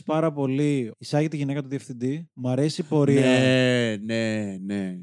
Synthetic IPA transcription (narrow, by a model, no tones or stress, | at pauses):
pɐɾɐpo̞liisɐʝet̪iʝine̞kɐt̪uðiefθind̪imɐɾe̞sipo̞ɾiɐenene